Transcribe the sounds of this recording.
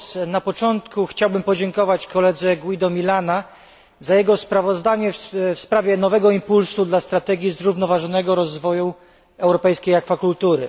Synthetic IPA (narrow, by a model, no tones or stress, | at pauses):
napɔt͡ʂɔnt̪kuxt͡ɕawbɘmpɔd͡ʑɛŋkɔvat͡ɕkɔlɛd̪zɛɡwid̪ɔmʲilana | zajɛɡɔspɾavɔzd̪aɲɛffspɾavʲjɛnɔvɛɡɔimpulsud̪last̪ɾat̪ɛɡʲjizɾuvnɔvaʐɔnɛɡɔɾɔzvɔju | ɛwɾɔpɛjskʲejakfakult̪uɾɘ̰